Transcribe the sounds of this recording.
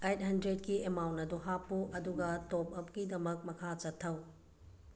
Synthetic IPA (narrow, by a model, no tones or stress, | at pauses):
ejt̚hɐndɾet̚kiemawntːɐduɦapːuʔɐduɡɐtop̚ɐp̚kidɐmɐk̚mɐkʰat͡ʃɐtʰːɐw